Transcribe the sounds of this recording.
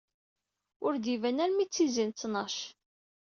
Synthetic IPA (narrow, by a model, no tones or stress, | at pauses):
ʊɾd̪ivænæɾmit͡sːizint͡sːnɑʃ